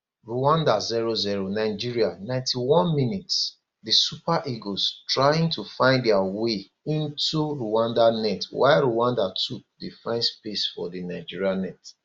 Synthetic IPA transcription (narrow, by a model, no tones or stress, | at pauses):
ɹuwãndaziɹoziɹonaɪd͡ʒiɹianãɪ̃ntʰiwɔ̃nminits | disupaʔiɡostɹajĩŋtʰufãɪ̃ndɛawe | ĩntuɹuwãndanɛtwa̰ɪɹuwãndatʰudefãɪ̃nspesfɔ̰dinaɪd͡ʒiɹianɛt